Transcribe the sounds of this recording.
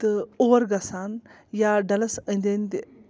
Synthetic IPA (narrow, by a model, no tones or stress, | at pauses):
t̪ɨoʋɐɾɡɐsaːn | jaɖɐlɐsənd̪end̪e